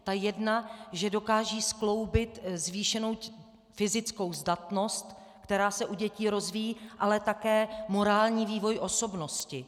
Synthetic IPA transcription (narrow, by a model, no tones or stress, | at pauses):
t̪ajɛdnaʒɛdo̞kaːʒiːsklo̞wbɪt̪zviːʃɛno̞w | fɪzɪt͡sko̞wzdat̪no̞st̪ | kt̪ɛɾaːsɛʔuɟɛciːɾo̞zvijiːʔalɛt̪akɛːmo̞ɾaːlɲiːviːvo̞jʔo̞so̞bno̞scɪ